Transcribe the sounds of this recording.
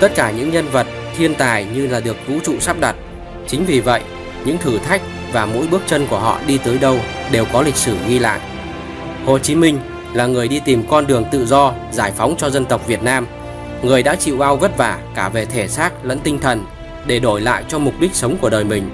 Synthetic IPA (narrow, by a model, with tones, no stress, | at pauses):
t̪ə˦˥t̚kaː˧˩ɲɨ̰˧˥ŋɲə˧nvə˨˩t̚t̪ʰi˧ənt̪aː˨˩jɲɨ˧laː˨˩ɗɨ˨˩ək̚t̪ṵ˧˥t͡ɕṵ˧˨saː˦˥p̚ɗa˨˩t̚ | t͡ɕï˨˦ŋ̟vi˨˩və̰˧˨jʔ | ɲɨ̰˧˥ŋt̪ʰɨ˧˩t̪ʰa˦˥jk̟̚ | vaː˨˩mo̰˧˥jɓɨ˦˥ək̚t͡ɕə˧nku˧˩əɦɔ̰˧˨ɗi˧t̪əː˨˦jɗə˧wɗe˨˩wkɔ˨˦lï˨˩k̟̚sɨ˧˩ɣi˧la̰ː˧˨jʔ | ho˨˩t͡ɕi˨˦mï˧ŋ̟ | laː˨˩ŋɨ˨˩əjɗi˧t̪i˨˩mkɔ˧nɗɨ˨˩əŋt̪ɨ̰˧˨zɔ˧ | zaː˧˩jfa˨˦wŋ͡mt͡ɕɔ˧zə˧nt̪ə˨˩wk͡p̚vi˨˩ət̚naː˧m | ŋɨ˨˩əjɗa̰ː˧˥t͡ɕḭ˧˨wʔa˧wɣə˦˥t̚vaː˧˩kaː˧˩ve˨˩t̪ʰe˧˩saː˦˥k̚lə̰˧˥nt̪ï˧ŋ̟t̪ʰə˨˩n | ɗe˧˩ɗo˧˩jla̰ː˧˨jt͡ɕɔ˧m˨˩k͡p̚ɗi˦˥k̟̚sə˨˦wŋ͡mku˧˩əɗəː˨˩jmï˨˩ŋ̟